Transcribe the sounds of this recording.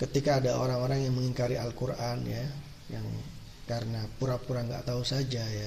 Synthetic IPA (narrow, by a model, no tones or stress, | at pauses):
kət̪ikaːdao̰ɾaŋoɾaŋjaŋməŋiŋkaɾiʔalkuranja | jaŋ | kaɾənapuɾapuɾaŋɡa̰ʔt̪ausad͡ʒaja